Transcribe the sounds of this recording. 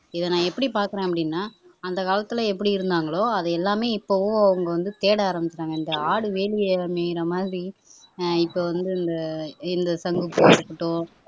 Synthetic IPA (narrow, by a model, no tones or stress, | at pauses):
ɪðɐnãːɛpːɐɽipaːɾkɐɾẽːɐpːɐɽɪnːaːɐnd̪ɐkaːlɐt̪ːɯlɐɛpːɐɽiɪɾɯnd̪aːŋɡɐɭoːɐðɐɛlːaːmeːɪpːoʋõɐʋɐŋɡɐʋɐnd̪ɯt̪eːɽɐaːɾɐmbɪt͡ʃːɪɾaːŋɡɐɪnd̪ɐaːɽɯʋeːɭɪjɐmeːjɪɾɐmaːd̪ɾi | ɪpːoːʋɐnd̪ɯɪnd̪ɐɪnd̪ɐsɐŋɡɯpːɯɐɾɯkːɪʈːõː